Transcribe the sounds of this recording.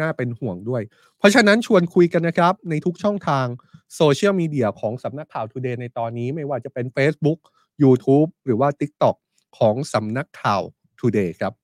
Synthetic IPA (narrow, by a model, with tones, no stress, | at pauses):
naː˥˩pe˧nhu˨˩əŋdu˥˩əj | pʰɾɔ˦˥t͡ɕʰa˧na˦˥nt͡ɕʰu˧ənkʰu˧jka˧nːa˦˥kʰɾa˦˥p̚na˧jt̪ʰu˦˥k̚t͡ɕʰɔ˥˩ŋt̪ʰaː˧ŋsoː˧t͡ɕʰi˥˩əwmiː˧di˧ɐkʰɔː˩˦ŋsa˩˦mna˦˥kʰːaː˨˩wt̪ʰuː˧deː˧na˧jt̪ɔː˧nːiː˦˥ma˥˩jwaː˥˩t͡ɕa˨˩pe˧nfeː˦˥s̚bu˦˥k̚ | juː˧t̪ʰuː˦˥p̚ɾɯː˩˦waː˥˩t̪i˦˥k̚t̪ɔ˨˩kʰː | ɔː˩˦ŋsa˩˦mna˦˥kʰːaː˨˩w | t̪ʰuː˧deː˧kʰɾa˦˥p̚